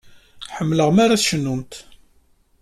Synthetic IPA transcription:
ħəmːləʁmaɾaθʃənːumt̪

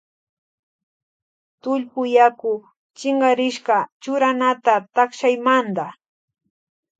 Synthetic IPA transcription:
t̪ʊʎpʊjakʊ | t͡ʃɪɴɢɑɾɪʃɢɑt͡ʃʊɾanat̪at̪akʃajmand̪a

